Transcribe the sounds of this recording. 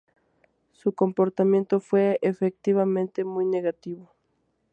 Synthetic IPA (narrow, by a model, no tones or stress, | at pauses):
suko̞mpoɾt̪amjẽ̞nt̪ofweefek̚t̪iβamẽnt̪e̞mujne̞ɣat̪iβo